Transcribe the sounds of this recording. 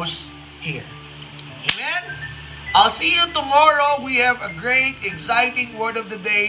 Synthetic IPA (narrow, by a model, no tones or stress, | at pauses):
s | hiɹ | emɛ̃n | ʔaɪlsijʊt̪ʊmɔɹoʊwihævəɡɹeɪt̪ɛɡsaɪtɪ̃ŋwɜ˞dʌvd̪ɨd̪eɪ